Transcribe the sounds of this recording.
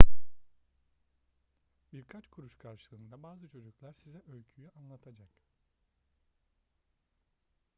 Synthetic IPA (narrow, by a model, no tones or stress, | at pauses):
biɾkʰat͡ʃkʰuɾuʃlkʰaɾʃɯlˠɯːnd̪abaːzɯt͡ʃʰo̞d͡ʒuklʲˠæɾsizɛʔølʲcʰyjyanlˠat̪ʰad͡ʒak